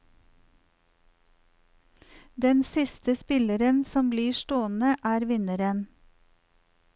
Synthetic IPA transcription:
d̪ɛnsɪst̪əspɪləɾənsɔmbliːʃtoːnəʔæːɾʋɪnəɾən

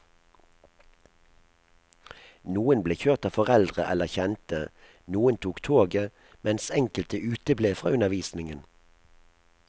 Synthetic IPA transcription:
nuːənbleːçøːʁt̪ɑːʋfɔʁɛld̪ʁəʔɛləçɛnt̪ə | nuːənt̪ʰuːkt̪ʰoːɡə | mɛnsɛŋkəlt̪əʔʉːt̪əbleːfʁɑ̰ːʉnəʋiːsnɪŋən

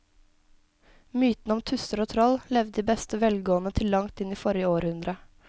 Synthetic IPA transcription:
myːt̪n̩ɔmt̪ʰʉst̪əɾoːt̪ʰɾɔllɛʋd̪d̪iːbɛst̪əʋɛlɡoːənət̪ʰɪlːɑŋt̪ɪniːfɔɾjəoːɾhʉnd̪ɾə

